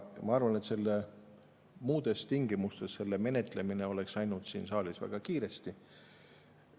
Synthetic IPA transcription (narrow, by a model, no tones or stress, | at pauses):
mɑɑrvɑne̞t̪se̞lːe | muːd̪̥e̞st̪iŋɡimust̪e̞sːe̞lːeme̞ne̞t̪ˑle̞mine̞o̞le̞ksɑjnud̪̥sḭːnsɑːlisvæ̰ɡ̥ɑkiːɾe̞st̪i